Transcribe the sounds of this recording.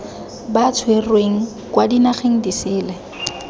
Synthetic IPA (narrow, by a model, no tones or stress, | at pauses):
bat͡sʰwerweŋ̩ | kwadinaχeŋ̩disɪːlɛ